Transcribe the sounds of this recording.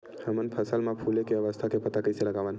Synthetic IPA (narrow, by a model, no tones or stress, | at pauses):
həmənpʰəsəlmãpʰulekeəʋəst̪ʰakepət̪akəiseləɡaʋən